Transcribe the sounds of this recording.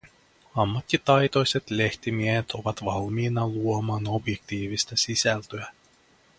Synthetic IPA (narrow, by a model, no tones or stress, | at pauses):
ɑmːɑt̪ːit̪ɑjt̪o̞jse̞t̪le̞ht̪imiehet̪ʰo̞ʋɑt̪ʋɑlmiːnɑluomɑːno̞bje̞k̚t̪iːʋist̪ɑsisælt̪øæ